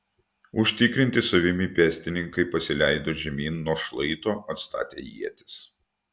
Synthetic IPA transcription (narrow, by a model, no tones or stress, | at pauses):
ʊʃʲt̪ʲɪkɾʲɪnʲt̪ʲɪsɐʋʲɪmʲɪpʲɛːsʲt̪ʲɪnʲɪŋkɐɪpɐsʲɪlʲæɪd̪oːʒʲɛmʲiːnːuɔʃlˠɐɪt̪oːɐt̪st̪ɑ̰ːt̪ʲḛːjḭɛt̪ʲɪ̥s